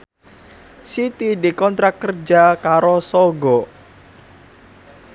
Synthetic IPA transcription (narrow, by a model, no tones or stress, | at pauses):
sit̪idikɔnt̪ɾakːərd͡ʒakaɾosɔɡɔ